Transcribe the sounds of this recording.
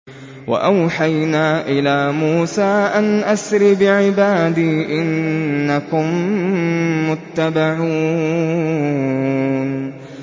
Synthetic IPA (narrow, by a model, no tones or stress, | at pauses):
wa̰ʔawħajnaːʔɪlaːmuːsaːʔanʔasɾɪbɪʕɪbaːd̪iːʔɪnːakʊmː | ʊt̪ːabaʕuː | n